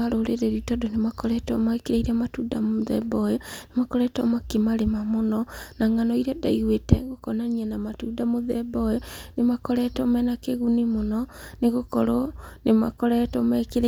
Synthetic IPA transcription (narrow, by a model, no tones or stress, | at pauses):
ɾoɾeɾeɾitɔdonemakɔɾɛtɔmakeɾaiɾamatuːdamoðɛ̰bɔjɔnemakɔɾɛtɔmakimaɾemamonɔnaŋanɔiɾɛdaiɣwetɛ̰ɡokɔnaniɛnamatuːdamoðɛbɔjɔnemakɔɾɛtɔmɛnakeɣunimonɔneɣokɔɾonema̰kɔɾɛtɔmakeɾ